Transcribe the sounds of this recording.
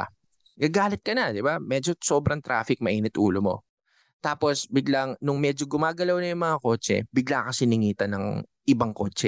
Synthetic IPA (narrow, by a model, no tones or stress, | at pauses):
ɡɐɡaːlɪt̪̚kɐnɐd̪ɪbamɛːd͡ʒo̞soːbɾɐŋt̪ɾa̰ːfɪk̚mɐʔiːnɛt̪ʔṵːlomo̞̰ | t̪aːpo̞sbɪɡlaŋnʊŋmɛd͡ʒoɡʊmaːɡɐlawnɐjʊŋmɐŋako̞ːt͡ʃɛ̰bɪɡlakɐsɪnɪŋiːt̪ɐnɐŋ | ʔɪbaŋko̞̰ːt͡ʃɛ